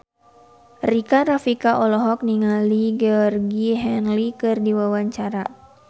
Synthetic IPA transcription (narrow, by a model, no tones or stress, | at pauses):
rikaɾafikaʔɔlɔɦɔk̚niŋaliɡɛɔrɡiɦɛnlikɨrdiwawaɲt͡ʃaɾa